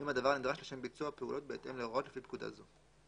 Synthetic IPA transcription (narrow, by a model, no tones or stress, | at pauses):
imhad̪avaʁnid̪ʁaʃleʃe̞mbit͡suape̞ṵlo̞t̪̚beːt̪e̞mleʁʔo̞tlefipkud̪a̰zo